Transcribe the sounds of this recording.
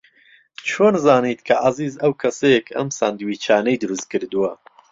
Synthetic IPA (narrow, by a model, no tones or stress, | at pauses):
t͡ʃʰoːnzaːnit̪kʰɐʔaziːzɐwkʰɐsɐjekʰɐ̰msa̰ːnd̪wiːt͡ʃʰaːnɐjd̪ɨɾɨst̪̚kɨɾd̪uwɐ